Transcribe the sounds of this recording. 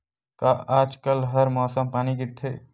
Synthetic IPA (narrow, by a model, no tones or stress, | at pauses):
kaaːd͡ʒkəlɦəɾmɔːsəmpaːniɡɪɽt̪ʰeː